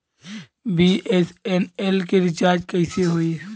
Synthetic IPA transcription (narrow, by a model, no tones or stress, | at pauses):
biʔesenelkeɾɪt͡ʃaːɾd͡ʒkəɪseɦoi